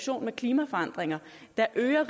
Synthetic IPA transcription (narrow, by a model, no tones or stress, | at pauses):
ɕo̝̰ːnmekʰliːmæfɒ̽ɑ̈n̰d̥ʁeŋɐ | d̥ɑ̈ʔøːɐʁ